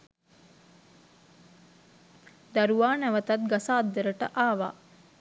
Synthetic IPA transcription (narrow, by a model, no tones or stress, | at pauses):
d̪aɾuʋaːnæʋət̪ɐt̪̚ɡasaːd̪ːəɾəʈə̰ʔaːʋa̰ː